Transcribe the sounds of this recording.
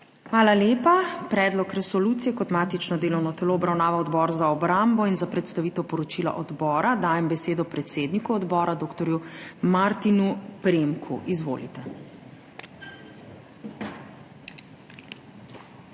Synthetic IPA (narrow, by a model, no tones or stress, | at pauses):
xʋaːlaleːpapɾɛːd̪lɔkɾɛsɔluːt̪sijɛkɔt̪maːt̪it͡ʃnɔd̪eːlɔwnɔt̪ɛloːbɾawnaːʋaɔd̪bɔːɾzaɔbɾambɔinzapɾɛt̪st̪aʋit̪ɛwpɔɾɔt͡ʃila̰ʔɔd̪bɔːɾad̪aːjɛmbɛseːd̪ɔpɾɛt̪seːd̪nikuɔd̪bɔːɾad̪oːkt̪ɔɾjumaɾt̪inupɾemkʰṵʔizʋo̰ːlḭt̪ɛ